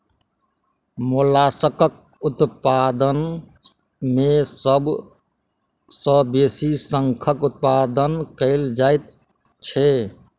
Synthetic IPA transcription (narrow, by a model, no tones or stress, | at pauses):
molasəkək̚ | ut̪pad̪ən | mesəb | səbesisəŋkʰəkut̪̚pad̪ənkəɪld͡ʒajt̪ | t͡ʃʰe